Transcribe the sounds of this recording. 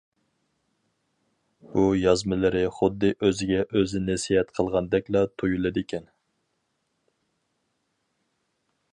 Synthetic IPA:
bujɑzmɨlɪɾɪχʊd̪ːɨʔøzɪɡʲɛʔøzɪnɪsihɛt̪qʰəlˠʁɑnd̪ɛkʲlɑt̪ʰujulˠɨd̪ɪkʲʰɛn

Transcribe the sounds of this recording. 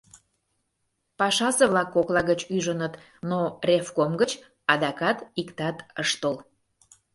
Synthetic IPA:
pɑʃɑseβlɑkːoklɑɣət͡ɕyʒənət̪ | norʲefkomɡət͡ɕ | ɑd̪ɑkɑt̪ikt̪ɑt̪əʃt̪ol

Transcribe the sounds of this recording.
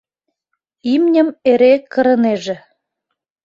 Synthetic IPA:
imnʲə̆meɾekə̆ɾɤ̆neʒĕ

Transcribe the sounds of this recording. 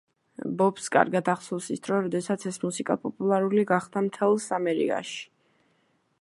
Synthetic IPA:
bɔpskʼa̰ɾɡad̪aχsɔlsisd̪̥ɾɔɾɔd̪ɛsat̪sʰɛsmusikʼa̰pʼɔpʼulˠaɾuliɡaχd̪amt̪ʰɛlˠsamɛɾḭkʼa̰ʃi̥

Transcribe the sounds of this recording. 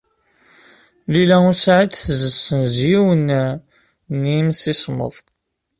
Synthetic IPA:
lilæʊsaʕid̪θəzəsːənzjiwən | nimsismə̰ðˤ

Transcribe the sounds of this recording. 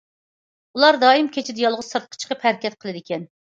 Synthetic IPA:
ulˠɑɾd̪ɑːimkʲet͡ʃʰɪd̪ɪjɑlˠʁʊz̥sɑɾt̪̚qʰə̥t͡ʃʰqəphæɾkʲɛt̪̚qʰəlˠɨd̪ɪkʲɛn

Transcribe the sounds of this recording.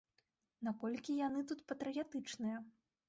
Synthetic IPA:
nakɔlʲkʲijanɨt̪ut̪pɐt̪ɾɨjat̪ɨt͡ʂnɨjɐ

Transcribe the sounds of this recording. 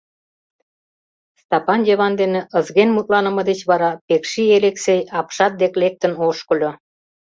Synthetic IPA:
st̪ɑpɑnjeβɑnd̪enĕəzɣenmut̪lɑnə̆məd̪et͡ɕβɑɾɑpekʃieleksejɑpʃɑt̪̚d̪eklek̚t̪ənoʃkə̆lʲo

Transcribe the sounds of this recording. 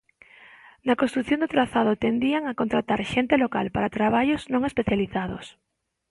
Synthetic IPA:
nakõst̪ɾuθjond̪ot̪ɾaθað̞ot̪end̪iaŋakont̪ɾat̪aɾʃent̪elokalpaɾat̪ɾaβ̞aʎoznõŋespeθjaliθaðo̰s

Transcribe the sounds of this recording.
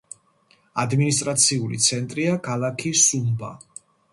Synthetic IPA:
ad̪minis̬t̪ʼɾat̪sʰiulḭt̪sʰɛnt̪ʼɾiakʰalˠakʰisumba̰

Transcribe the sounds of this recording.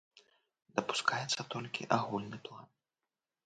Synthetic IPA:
d̪ɐpu̥skʰajɛt̪sːɐt̪ɔlʲkʲḭʔaɣulʲnɨplˠan

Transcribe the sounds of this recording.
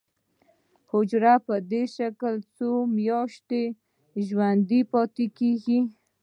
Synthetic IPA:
hʊd͡ʒɾapəd̪eʃaklt͡somjɑʃt̪e | ʒwand̪ipɑt̪ekeɡi

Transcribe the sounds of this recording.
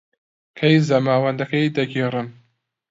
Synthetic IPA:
kʰɐjzɐmaːwɐnd̪ɐkɐjd̪ɐɡʲiːrɨm

